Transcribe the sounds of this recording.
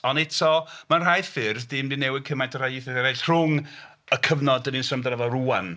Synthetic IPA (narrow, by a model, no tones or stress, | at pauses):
ɔnɛtʰɔmanr̥ajfɪrzdɪmdɪnɛwɪd̚kʰəmajtʰər̥ajɪθɛðɛɾajɬr̥ʊŋ | əkʰəvnɔdəninsəmdraðɔruːan